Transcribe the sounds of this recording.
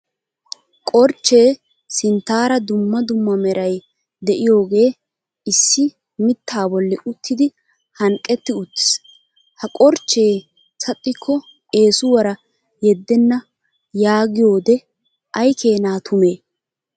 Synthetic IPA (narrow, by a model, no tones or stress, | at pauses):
kʼɔɾt͡ʃːe̞ː | sɪnt̪ːaːɾɐd̪ʊmːɐd̪ʊmːɐmɛɾʔɐj | d̪ɛʔɪjo̞ːɡe̞ː | ɪsːɪ | mɪt̪ʰːaːbɔlːɛʔʊt̪ʰːɪd̪ɪ | hɐŋkʼːɛt̪ːɪʊt̪ːɪ̥s | hɐkʼɔɾt͡ʃːe̞ː | sɐt̪ʼːɪkʰːɔ | e̞ːsʊwɐɾɐ | jɛd̪ːɛnːɐ | jaːɡɪjo̞ːd̪ɛ | ʔɐjkʰe̞ːnaːt̪ʰʊme̞ː